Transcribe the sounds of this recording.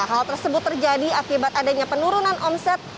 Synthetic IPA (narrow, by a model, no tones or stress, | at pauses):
ɦalt̪ərsəbʊt̪ːərd͡ʒadiakibat̪adaɲapənuɾunanʔɔmsɛt̪̚